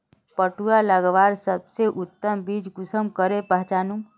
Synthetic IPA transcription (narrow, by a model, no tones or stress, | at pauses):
pəʈujaləɡʋaɾsəbseʔut̪ːəmbid͡ʒɡusəmkəɾepəɦt͡ʃanum